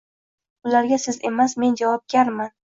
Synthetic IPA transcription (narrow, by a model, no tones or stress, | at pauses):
ʊlaɾɡʲasɪze̞masme̞nd͡ʒavɒp̚ɡʲaɾman